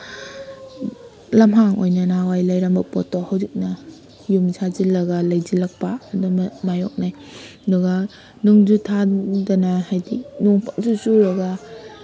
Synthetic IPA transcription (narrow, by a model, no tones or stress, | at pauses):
lɐmɦaŋojnanawajlɐjɾɐmbɐpotohawzik̚nɐ | jumsʰazilɐɡɐlɐjzilɐk̚paːdumajɔ̰k̚najɐduɡɐ | nuŋd͡ʒutʰadɐnahajdinuŋpʰakzusuɾɐɡɐ